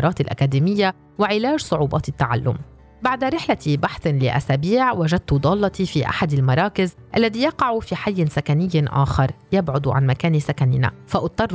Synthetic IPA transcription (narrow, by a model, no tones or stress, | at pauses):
ɾˤɑːt̪alʔa̰kaːd̪iːmɪjːa | wɪʕɪlaːʒsˤʊʕuːbɑ̰ːt̪ɪt̪ːaʕa̰lːʊ̰m | baʕd̪aɾɪħlaibaħθlɪ̰ʔa̰saːbiːʕwaʒad̪̚t̪ʊd̪ˤɑːlːɑt̪ifiːʔa̰ħad̪almɑɾˤɑːkɪzʔalːaðiːjɑqɑʕufiːħajːɪnsakanɪjːʔa̰ːxɑɾˤjabʕʊd̪ʕa̰nmakaːnisakanɪna̰faʔʊt̪ˤːɑrˤː